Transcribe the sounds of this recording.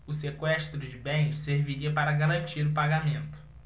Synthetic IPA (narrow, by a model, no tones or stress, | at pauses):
ʊsekwɛʃt̪ɾʊd͡ʒɪbẽj̃sseɾviɾiɐpaɾɐɡaɾɐ̃nt͡ʃiɾʊpaɡamẽnt̪ʊ̥